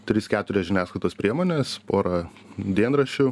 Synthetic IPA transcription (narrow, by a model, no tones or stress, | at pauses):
t̪ʲɾʲɪskʲæːt̪ʊɾʲɛʒʲɪnʲæːsklˠɐɪt̪oːspʲɾʲiɛmoːnʲeːspoːɾɐ | d̪ʲiɛnɾɐʃʲʊ